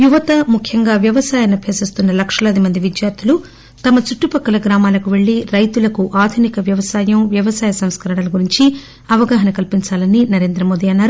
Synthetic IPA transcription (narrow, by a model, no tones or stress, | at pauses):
juʋɐt̪ɐmukʰjɐŋɡaːʋjɐʋɐsaːjɐnɐbʰʱjɐːsist̪unːɐlɐkʂɐlɐd̪imɐnd̪iʋid̪jaːɾt̪ʰulu | t̪ɐmɐt͡ʃuʈːupɐkːɐlɐɡɾaːmaːlɐkuʋe̞ɭːiɾɐjt̪ulɐkuʔaːd̪ʱunikɐʋjɐʋɐsaːjɐmʋjɐʋɐsaːjɐsɐm̃skɐɾɐɳɐlɐɡuɾiɲt͡ʃi | ɐʋɐɡaːɦɐnɐkɐlpiɲt͡ʃaːlɐninɐɾe̞ːnd̪ɾɐmo̞ːd̪iɐnːaːɾu